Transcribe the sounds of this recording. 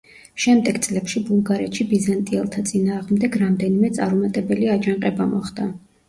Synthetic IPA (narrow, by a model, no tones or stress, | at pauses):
ʃɛmd̪ɛɡt̪sʼlɛpʃibulˠɡaɾɛt̪ʃibizant̪ʼiɛlˠt̪ʰat̪sʼinaːʁmd̪ɛɡɾamd̪ɛnimɛt̪sʼaɾmat̪ʼɛbɛliad͡ʒanqʼɛbamɔχd̪̥a